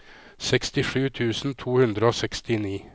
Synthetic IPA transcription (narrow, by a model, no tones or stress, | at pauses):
sɛkst̪ɪʂʉːt̪ʰʉːsn̩t̪ʰuːhʉnd̪ɾəoːsɛkst̪ɪniː